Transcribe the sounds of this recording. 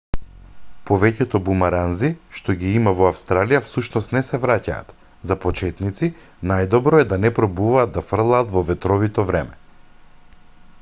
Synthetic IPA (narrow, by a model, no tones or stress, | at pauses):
pɔvɛcɛt̪ɔbumaɾanziʃt̪ɔɡiimavɔafst̪ɾalijafsuʃnɔst̪nɛsɛvɾaca̰ːt̪ | zapɔt͡ʃɛt̪nit̪si | najd̪ɔbɾɔɛd̪anɛpɾɔbuvaːd̪̚d̪afr̩lˠaːt̪vɔvɛt̪ɾɔvit̪ɔvɾɛmɛ